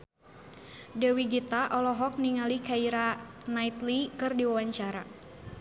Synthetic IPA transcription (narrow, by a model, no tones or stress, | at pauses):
dɛwiɡit̪aʔɔlɔɦɔk̚niŋalikaiɾanait̪likɨrdiwawaɲt͡ʃaɾa